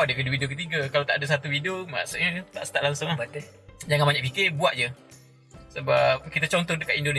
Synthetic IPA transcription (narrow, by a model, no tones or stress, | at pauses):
adevidohidiokət̪iɡəkalat̪a̰ʔadas̬at̪uhidoma̰ʔsət̪a̰ʔst̪aʔlaŋsoŋt̪ed͡ʒaŋãnbaɲaʔpikɪbuaʔ̚d͡ʒə | səbap̚kit̪ət͡ʃɔnt̪ɔndəkaʔ̪indone